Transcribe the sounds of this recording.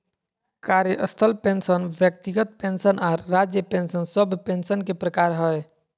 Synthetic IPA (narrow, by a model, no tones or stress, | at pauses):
kaɾjəʔəst̪ʰəlpensənbjək̚t̪iɡət̪̚pensənaɾːad͡ʒjəpensənsəbʱpensənkepɾəkaɾɦəj